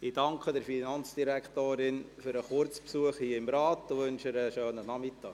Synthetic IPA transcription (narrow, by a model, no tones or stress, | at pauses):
ɪd̥ɑŋkχədəɾfinɑnt͡sd̥iɾækʰtoːɾɪnfyɾəχʊɾt͡spsuəχhiəɪmɾɑːtdʊʋɵnʃəɾəʃøːnənɑmɪt̪ːɑ̰ːk